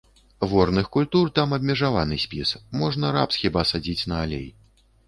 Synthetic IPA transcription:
vɔrnɨxkulʲt̪urt̪amɐbʲmʲɛʐavanɨsʲpʲismɔʐnɐɾa̰psxʲibasad͡zʲit͡sʲnɐalʲḛj

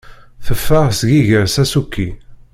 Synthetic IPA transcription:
θəfːəʁsɡiʝəɾsæsukːi

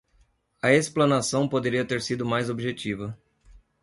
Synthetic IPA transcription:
ɐesplɐ̃nasɐ̃w̃pod̪eɾiɐt̪eɾsid̪ʊmajzobiʒet͡ʃivɐ

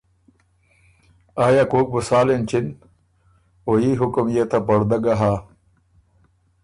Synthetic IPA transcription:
aːjakoːk̚busaːlent͡ɕʰin | ojiːɦukumjet̪ʰapɐɽd̪ɐɡaɦaː

